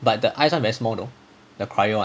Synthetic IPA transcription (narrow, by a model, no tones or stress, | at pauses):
bat̚dəʔaɪjsɔ̃nvɛɹismɔdo | dəkʰɹajõ